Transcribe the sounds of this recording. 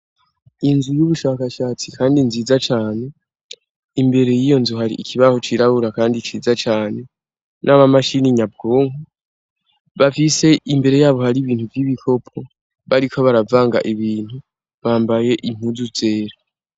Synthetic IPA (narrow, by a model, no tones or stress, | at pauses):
inzujuβuʃaːkaʃaːt͡sikʰaːndinziːzat͡ʃaːne̞ | imbe̞ɾe̞jijo̞nzuɦaɾḭʔikʰiβaho̞t͡ʃiɾaβuɾakaːndit͡ʃiːzat͡ʃaːne̞ | nʔaβamaʃiniɲab̚ɡoːŋu | βafise̞imbe̞ɾe̞jaːβo̞haɾiβiːn̥huvjiβikʰo̞pʰo̞ | βaɾikʰo̞βaɾavaːŋɡa̰ʔiβiːn̥hu | βaːmbaje̞ʔim̥huzuze̞ːɾa